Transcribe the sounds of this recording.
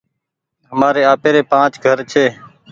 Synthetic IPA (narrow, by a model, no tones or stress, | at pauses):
ɦəmaːɾeːaːpeːɾeːpãːt͡ʃɡʱəɾt͡ʃʰeː